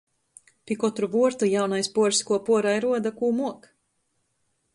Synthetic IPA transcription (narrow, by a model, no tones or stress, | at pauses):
pʲikɔt̪ɾuvuɔɾt̪ujawnajspuɔɾskuɔpuɔɾajɾuɔd̪akuːmuɔk